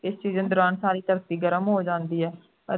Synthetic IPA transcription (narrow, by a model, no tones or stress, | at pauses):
ɪst͡ʃiːzənd̪ʊɾaːnsaːɾiːt̪əɾət̪iːɡəɾəmɦoːd͡ʒãːnd̪iːɛː | ə